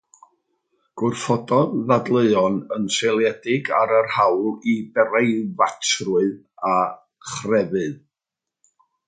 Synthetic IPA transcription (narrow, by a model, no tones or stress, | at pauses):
ɡ̥ʊrfɔdɔððadlˠəɨɔnənselˠjɛdɪɡaɾərhawlˠibɛrejvatʰrʊɨð | a | χrɛvɨð